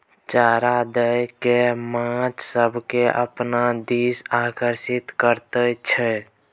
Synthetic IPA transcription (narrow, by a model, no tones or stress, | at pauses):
t͡ʃaːɾad̪əjkemãt͡ʃsəbʱkeʔə̰pnad̪iːsakəɾsit̪kəɾt̪ət͡ʃʰɛ